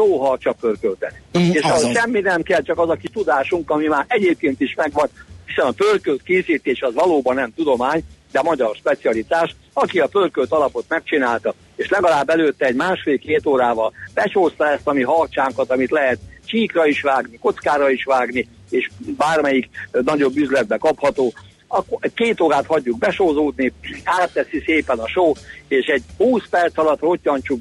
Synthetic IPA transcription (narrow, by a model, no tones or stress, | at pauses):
toːɦɒt͡ʃɒpørkølt̪ɛt̪eːʃɒɦoʃɛmːinɛmkɛlt͡ʃɒkɒzɒkit̪ud̪aːʃuŋkɒmimaːɾʔɛɟeːp̚keːnt̪iʃmɛɡʋɒnhisɛnɒpølkølt̪keːsiːt̪eːʃɒzʋɒloːbɒnːɛmt̪ud̪o̞maːɲd̪ɛmɒɟɒrʃpɛt̪siɒlit̪aːʃ | ɒkiɒpølkølt̪ɒlɒpo̞t̪mɛk̚t͡ʃinaːlt̪ɒ | eːʃlɛɡɒlaːbːɛløːt̪ːɛɛɟmaːʃfeːlkeːt̪oːɾaːvɒlb̥ɛt͡ʃoːst̪ɒɛst̪ɒmiɦɒrt͡ʃaːŋkɒt̪ɒmit̪lɛɦɛt̪t͡ʃiːkrɒiʃʋaːɡniko̞t̪skaːɾɒiʃʋaːɡni | eːʃbaːrmɛjiknɒɟo̞bːyzlɛd̪̚bɛkɒphɒt̪oː | ɒkeːt̪oːɾaːt̪hɒɟːuɡ̚bɛʃoːzoːd̪niaːt̪ːɛsiseːpɛnɒʃoːeːʃɛɟ̚huːspɛrt̪sɒlɒt̪ːot̪̚ːɒnt͡ʃuk